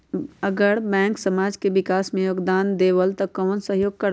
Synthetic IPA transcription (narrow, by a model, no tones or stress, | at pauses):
ɐɡəɾbɛ̃ːŋksɐmaːd͡ʒkeʋɪkaːsmẽjoːɡd̪aːnd̪eːʋəlt̪ɐkːəənsəɦjoːɡ̚kɐɾ